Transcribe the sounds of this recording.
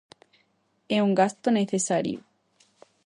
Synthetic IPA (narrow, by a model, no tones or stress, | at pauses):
euŋɡast̪oneθesaɾjo̰